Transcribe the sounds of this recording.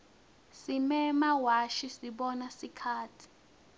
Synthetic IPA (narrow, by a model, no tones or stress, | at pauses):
simɛmawaʃisiɓɔnasikʰaːtʰi̥